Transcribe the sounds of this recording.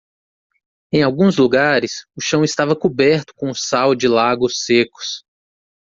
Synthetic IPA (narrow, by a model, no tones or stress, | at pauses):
ẽj̃awɡũzluɡaɾɪsʊʃɐ̃w̃ɪst̪avɐkubɛɾt̪ʊ̥kõʊsawd͡ʒɪlaɡʊsekʊ̥s